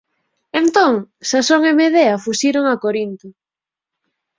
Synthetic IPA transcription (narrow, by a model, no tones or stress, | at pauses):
ent̪oŋsasoŋemeðeɐfuʃiɾoŋakoɾint̪ʊ